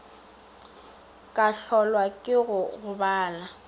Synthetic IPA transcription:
kʼaɬɔlwakʼɪɣʊɣʊbaːla

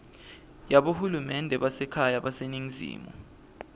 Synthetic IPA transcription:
jaɓohulumɛndʱɛɓasɛkʰajaɓaseniŋzḭːmɔ̰

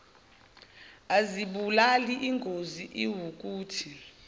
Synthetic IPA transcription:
aziɓulaliʔiŋɡʱoziʔiwuk̬ʼuːtʰi

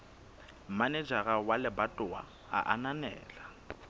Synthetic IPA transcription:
maned͡ʒaɣawalɪbatʼʊa̰ | a̰ʔananɛ̰ːla

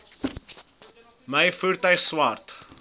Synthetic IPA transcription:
məjfuːɾtœɥχswɐrt

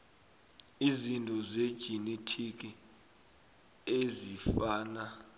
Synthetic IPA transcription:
izintʼɔzed̥ʒ̥ʱinetʰik̬ʼi | ezifaːna

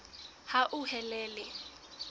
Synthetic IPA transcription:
haʔʊhɛlɛːlɪ

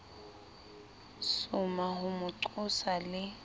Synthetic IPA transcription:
sʊmaɦʊmʊǀʊsalɪ

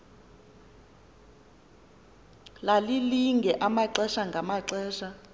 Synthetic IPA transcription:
laliliŋɡʱɛʔamaǀɛʃaŋɡʱamaǀɛːʃa

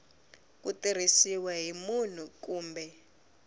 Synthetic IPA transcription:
k̬utir̤isiwɛɦimun̤uk̬uːmbɛ

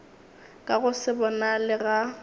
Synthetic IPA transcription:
kʼaɣʊsɪbɔnalɪɣa

